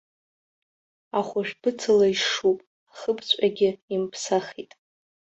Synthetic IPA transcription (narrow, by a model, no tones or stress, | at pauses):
aχʷaʒᶣb̥ɨt͡sʰalaiʂupʼ | aχəbt͡ɕʷʼaɡʲɪimpʰsaχitʼ